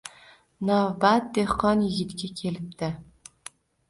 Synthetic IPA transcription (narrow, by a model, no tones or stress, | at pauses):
nabat̪̚d̪ehqːɒnjɪɡʲɪt̪ɡʲakʲʰelɪp̚t̪ɪ